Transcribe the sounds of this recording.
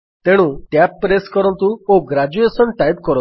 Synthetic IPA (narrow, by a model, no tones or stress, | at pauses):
t̪eɽ̃ũt̪japːɾeskɔɾɔ̃nt̪uoɡɾad͡ʒuesɔnʈajpkɔɾɔ̃